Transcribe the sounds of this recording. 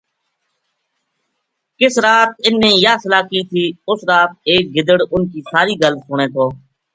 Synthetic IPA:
kɪsɾaːt̪̚ɪnːẽːjaːsəlaːkiːt̪ʰiːʊsɾaːt̪̚eːk̚ɡɪd̪əɽʊnkiːsaːɾiːɡəlsʊɳẽːt̪ʰoː

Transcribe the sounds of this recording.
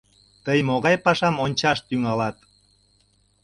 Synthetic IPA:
t̪əjmoɣɑjpɑʃɑmonʲt͡ɕɑʃt̪yŋɑlɑt̪

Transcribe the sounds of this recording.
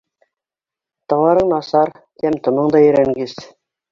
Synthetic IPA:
t̪ɤ̆ʁɑɾɤɴnɑsɑɾ | t̪æmt̪ŏmɤɴd̪ɑjɵ̆ɾæŋɡɘs

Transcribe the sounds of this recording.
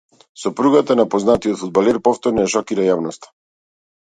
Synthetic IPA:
sɔpɾuɡat̪anapɔznat̪iɔt̪fud̪̚balɛɾpɔft̪ɔɾnɔjaʃɔkiɾajavnɔst̪ḁ

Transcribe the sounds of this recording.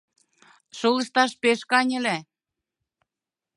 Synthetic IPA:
ʃolə̆ʃt̪ɑʃpeʃkɑnʲə̆læ

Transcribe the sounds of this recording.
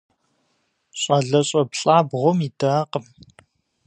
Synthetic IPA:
ɕʼɐɮɐɕʼɐpɬʼaːbʁʷʊmiːdaːqəm

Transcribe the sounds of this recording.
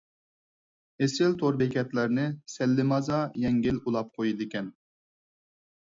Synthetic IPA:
esɪlt̪ʰoɾbɛkʲʰɛt̪læɾnɪsɛlːɪmɑzɑjɛŋɡʲɪlulˠɑp̚qʰojid̪ɪkʲɛn

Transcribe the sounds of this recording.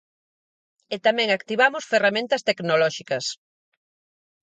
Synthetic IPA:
et̪amɛ̃ŋakt̪iβamʊsferamẽnt̪ɐst̪eknolɔʃikɐs

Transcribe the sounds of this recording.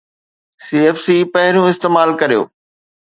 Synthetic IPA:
siːɛːfsiːpɐɦɪɾijũɪst̪eːmaːlkɐɾijo̰ː

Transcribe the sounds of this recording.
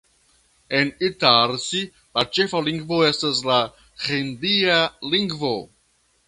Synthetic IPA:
enitalsi | lat͡ʃe̞faliŋɡvo̞e̞stasla | xindialiŋɡvo

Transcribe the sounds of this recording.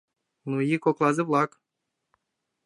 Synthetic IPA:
nujikoklˠɑzɨblˠɑk

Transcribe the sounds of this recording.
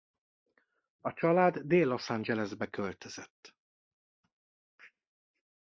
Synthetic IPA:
ɒt͡ʃɒlaːd̪ːeːlːo̞sand͡ʒɛlɛzbɛkølt̪øz̥ɛt̪ː

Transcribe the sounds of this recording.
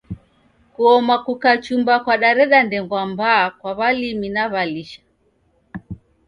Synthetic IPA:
kuɔmakukat͡ʃumbakwaɗaɾɛɗandɛŋɡwambaːkwaβaliminaβaliʃḁ

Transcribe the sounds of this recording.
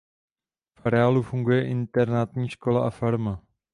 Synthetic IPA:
faɾɛaːlufuŋɡujɛʔɪnt̪ɛɾnat̪ɲiːʃko̞laʔafaɾma

